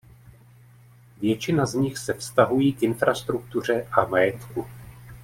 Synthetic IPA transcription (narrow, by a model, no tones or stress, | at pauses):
vjɛt͡ʃɪnazɲɪxsɛfst̪aɦujiːkʔɪnfɾast̪ɾuk̚t̪ur̝ɛʔamajɛt̪ku